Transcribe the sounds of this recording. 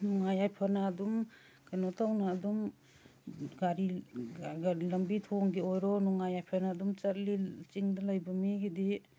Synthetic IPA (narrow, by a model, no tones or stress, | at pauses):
nuŋajajpʰanaːdum | kʰanotawnaːdum | ɡaɾi | ɡalɐmbitʰoŋɡiojɾɔnuŋajajpʰanaːdumt͡ʃɐt̚lit͡ʃiŋdalajbɐmiɡidi